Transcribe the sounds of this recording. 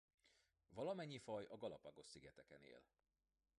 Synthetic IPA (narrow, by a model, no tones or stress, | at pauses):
vɒlɒmɛɲːifɒjɒɡɒlɒpɒɡo̞ʃsiɡɛt̪ɛkɛnḛːl